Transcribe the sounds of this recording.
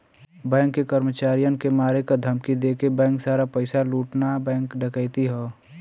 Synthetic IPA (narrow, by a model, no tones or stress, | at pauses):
bɛ̃ːŋkːekəɾmət͡ʃaːɾijənkemaːɾekad̪ʱəmkid̪eːkebɛ̃ːŋksaːɾapəɪsaluːʈnabɛ̃ːŋkɖəkəːt̪iɦɛː